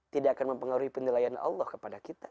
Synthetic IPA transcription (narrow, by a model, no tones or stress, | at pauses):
t̪idaʔakanməmpəŋaɾuhipənilajanɑ̰lːɔhkəpadakit̪ḁ